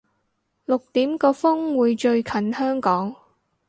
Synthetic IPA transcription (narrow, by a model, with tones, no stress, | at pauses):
lʊ˨k̚t̪iː˨˥mkɔː˧fʊ˥ŋwuː˨˧jt͡ʃɵ˧ɥkʰɐ˨˥nhœː˥ŋkɔː˨˥ŋ